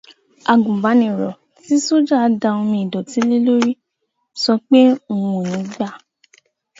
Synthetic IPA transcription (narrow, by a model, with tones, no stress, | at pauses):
a˨ɡũ˨ba˨˦nĩ˨ɾɔ˨ | ti˨˦so˦˨d͡ʒa˦˧da˧o˧mĩ˧˨i˨dɔ˨ti˨˦li˦lo˦ɾi˦ | sɔ˧k͡pe˦o˦˨wũ˨nĩ˨˦ɡ͡ba˦˨